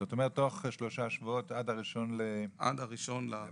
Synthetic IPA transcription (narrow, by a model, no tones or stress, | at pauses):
zotomeʁet̪ːoχʃloʃaʃvuot̪adaʁiʃo̞nleʔa̰d̪aʁiʃonla